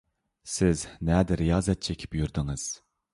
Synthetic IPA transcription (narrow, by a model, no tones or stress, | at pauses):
sɪznɛd̪ɪɾijɑːzɛt̪̚t͡ʃʰɛkʲʰi̥pjyɾd̪ɪŋɨz̥